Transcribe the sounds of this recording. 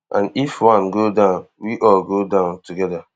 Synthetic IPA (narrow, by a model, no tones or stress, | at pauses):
ʔãnifwãnɡodãʊ̃n | wiʔɔlɡodãʊ̃ntuɡɛda